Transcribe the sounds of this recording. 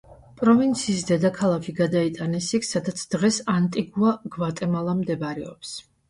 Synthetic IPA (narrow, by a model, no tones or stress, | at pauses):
pʼɾɔvint̪sʰiːsd̪ɛd̪akʰalˠakʰiɡad̪ait̪ʼanɛsikʰsad̪at̪sʰd̪̥ʁɛsant̪ʼiɡuaɡvat̪ʼɛmalˠamd̪ɛbaɾɛɔps